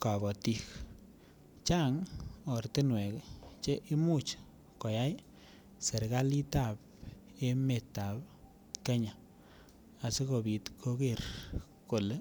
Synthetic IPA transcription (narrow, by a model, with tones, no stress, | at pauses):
ka˨bɔ˨ti˦k | t͡ʃa˦ŋo˨ɾti˦nwɛ˨kt͡ʃe˦ʔi˦mu˦t͡ʃ | ko˨ja˦j | se˨ɾɡa˦li˦ta˨p̚ | e˦me˨tːa˨p | ke˦ɲa˨ | a˨se˦ko˨bi˨tkʰo˦ki˦˨ɾ | ko˨le˦